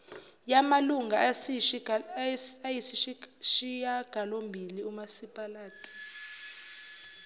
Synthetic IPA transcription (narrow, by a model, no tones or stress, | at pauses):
jamaluŋɡʱa | jisiʃijaɡ̥ʱalombʱiliumasipʼalaːtʰʼi̥